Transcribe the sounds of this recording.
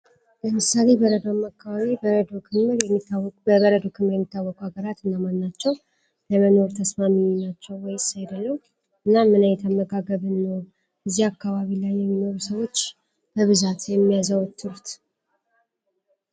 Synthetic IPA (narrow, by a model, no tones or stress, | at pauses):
ləmɨsale̞bəɾəd̪omːakʰːaβaβibəɾəd̪okʰɨmɨɾjɛmːit̪ːawbəβəɾəd̪o̞kʰɨmɨɾjɛmːit̪ʰːawːɔkuhaɡəɾat̪ɨnːamanːat͡ʃːɛw | ləməno̞ɾt̪ʰəsmamiinat͡ʃːɛwːɔjɪsajd̪əlːəw | ʔɨnːamːɨnajɛt̪ʰəməɡaɡəβɨnːəw | ɨzːiakʰːaβaβilajːɛmːino̞ɾusəwo̞t͡ʃː | b̥əβɨzat̪jɛmːijazəwɔt̪ʰːɨɾut̪